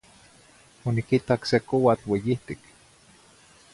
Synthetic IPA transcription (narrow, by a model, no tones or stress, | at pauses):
onikit̪aksekowat͡ɬwejiht̪ik